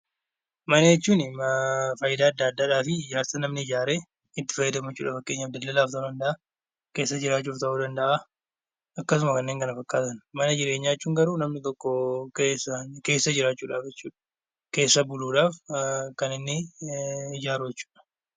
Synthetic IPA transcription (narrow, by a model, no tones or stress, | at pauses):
mɐnɐjɛt͡ʃːuːnɪfɐjɪd̪aːɐd̪ːɐɐd̪ːaːᶑaːfɪd͡ʒaːɾsɐnɐmnɪɪd͡ʒaːɾeː | ɪt̪ːɪ̥fɐjːɪd̪ɐmjɛt͡ʃːuːᶑʔaːfɐkːe̞ːɲːɐd̪ːɐt̪lːɐlaːft̪ɐuːd̪ɐnd̪ɐʔaː | ke̞ːsːɐd͡ʒɪɾaːt͡ʃːuːft̪ɐʔuːd̪ɐnd̪ɐʔa | ɐkːɐsʊmɐkɐnːe̞ːŋkʼɐnɐfɐkːaːt̪ɐnmɐnɐd͡ʒɪɾe̞ːɲːajɛt͡ʃːuːŋɡɐɾuːnɐmnɪt̪ɔkːɔkeːsɐke̞ːsːɐd͡ʒɪɾaːt͡ʃːuːᶑaːfd͡ʒɛt͡ʃːṵːᶑɐ̥ | ke̞ːsːɐbʊluːᶑaːfkɐnɪnːɪ | ɪd͡ʒaːɾujɛt͡ʃːu̥ːᶑɐ̥